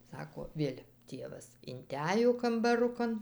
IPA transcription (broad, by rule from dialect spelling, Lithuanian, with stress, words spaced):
ˈsɑːkoː ˈʋʲeːlʲ ˈtʲeːʋɐs ɪnʲˈtʲæj jɛʊ kɐmbɐˈrʊkɐn